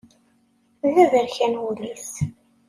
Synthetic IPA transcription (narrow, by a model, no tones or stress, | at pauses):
ðæðəɾçænwulis